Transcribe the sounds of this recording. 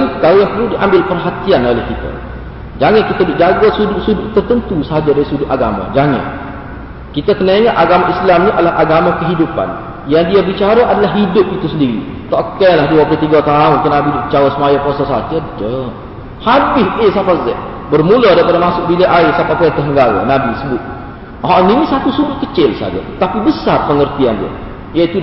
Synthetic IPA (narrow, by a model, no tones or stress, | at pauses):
nkaojaŋpərludiʔambɪlpərɦat̪ianolɛhkit̪a̰ | d͡ʒaŋankit̪adʊʔd͡ʒaɡasudʊʔsudʊʔt̪ərt̪ənt̪usəɦad͡ʒadaɾisudʊʔaɡa̰ma̰d͡ʒaŋa̰n | kit̪akənaiŋaʔaɡamaʔislamɲiʔadalahʔaɡamakəɦidupa̰n | jaŋdiabit͡ʃaɾaʔadalaɦɦidʊp̚it̪usəndiɾḭ | t̪ɔʔkɛnlahduapəɾit̪iɡat̪aʊnkənabidbit͡ʃaɾasəmajaposasad͡ʒədə | habɪsɪsafazɛʔ | bərmuladajpadamasʊʔbilaʔaɪsapapəɾɛnt̪əɦəŋɡaɾa̰nabisəbʊt̪̚ | ɦaʔninisat̪usudʊt̪̚kət͡ʃɪlsa̰d͡ʒa̰t̪apibəsarpəŋərt̪iandia̰ | jait̪u